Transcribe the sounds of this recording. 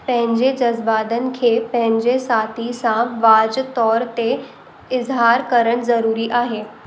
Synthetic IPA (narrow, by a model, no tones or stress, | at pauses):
pə̃ɦɪ̃ɲd͡ʑed͡ʑəzbaːd̪ənkʰepə̃ɦɪ̃ɲd͡ʑesat̪ʰisãʋaːd͡ʑt̪ɔːɾt̪e | ɪzɦaːɾkəɾəɽ̃zəɾuːɾiʔaːɦeː